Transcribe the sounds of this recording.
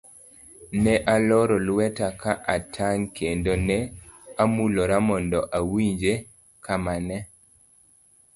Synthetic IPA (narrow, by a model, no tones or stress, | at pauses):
nɛʔalɔɾɔlwɛtakaʔatʰaŋkʰendonɛamuloɾamɔndɔʔawiɲd͡ʒe | kʰamanɛ